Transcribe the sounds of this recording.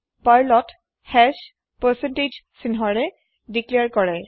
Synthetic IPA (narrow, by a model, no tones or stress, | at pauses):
paɹlɔt | hɛs | pɛsɛnted͡ʒsinɦɔɹɛ | dikliaɹkɔɹɛ